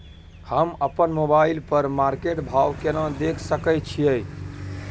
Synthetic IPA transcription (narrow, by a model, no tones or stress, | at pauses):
həməpənmobailpəɾmaɾkeʈbʱawkenad̪ekʰsəkəj̚t͡ʃʰijəj